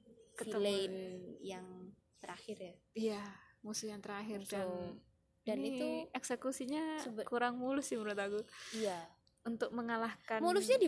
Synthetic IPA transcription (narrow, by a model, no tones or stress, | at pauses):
kətiəleɪnjaŋ | t̪əɾahɪrja | ijamusuhjaŋt̪əɾaɦɪrdan | danit̪uɛksekusiɲaəkuɾaŋmulʊsɪməɾuat̪aɡuija | unt̪ʊk̚məŋalahkamulʊsɲadi